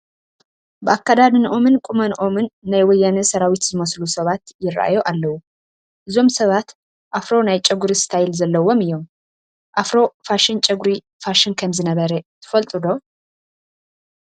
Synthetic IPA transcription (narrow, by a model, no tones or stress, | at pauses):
bɨakːad̪ad̪ɨnʔo̞mɨnkʼumɐnʔo̞mɨnːajwɔjːanɨsɐɾawit̪zɨməslusɐβat̪jɪɾa̰ʔa̰joʔalːəwu | ʔɨzo̞msɐβat̪ | ʔafɾo̞najt͡ʃʼɛɡuɾist̪ʰajɪlzɐlːəwo̞mɨjːo̞m | ʔafɾo̞faʃɪnt͡ʃʼɛɡuɾi | faʃɪnkʰəmzɨnəβəɾət̪ʰɨ̥fɐlt̪ʼɨd̪o̞